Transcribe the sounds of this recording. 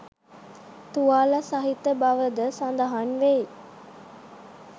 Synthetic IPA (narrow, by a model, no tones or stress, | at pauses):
t̪uaːlasɐɦit̪əbɐʋəd̪əsɐnd̪ɐɦanʋe